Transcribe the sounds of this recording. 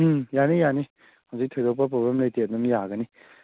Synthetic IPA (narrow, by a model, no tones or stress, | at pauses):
ɯjanijani | hawzik̚tʰojd̪ɔwp̬ap̬ɾobemlajtet̚nɐmjaɡəni